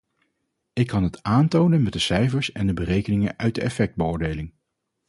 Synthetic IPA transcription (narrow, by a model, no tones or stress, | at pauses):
ɪkːɑnɦətaːntownənmɛt̚dəsɛjfəɹsɛndəbərejkənɪŋəʔœɥt̚dəʔɛfɛk̚d̚bəʊːɹdejlɪŋ